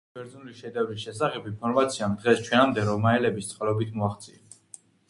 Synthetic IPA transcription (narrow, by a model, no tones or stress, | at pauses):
bɛɾd̪znuliʃɛd̪ɛvisʃɛsaχɛpinpʰɔɾmat̪sʰiamd̪ʁɛst͡ʃʰwɛnamd̪ɛɾɔmaɛlɛbist̪sʼqʼalɔbit̪ʰmɔaχt̪sʼiɛ